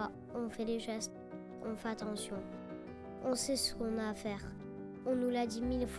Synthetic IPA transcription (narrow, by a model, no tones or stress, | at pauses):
a | ɔ̃fɛleʒɛst̪ | ɔ̃fɛat̪ɑ̃sjɔ̃ | ɔ̃sɛsə̥kɔ̃naːfɛːʁ | ɔ̃nulad̪imilf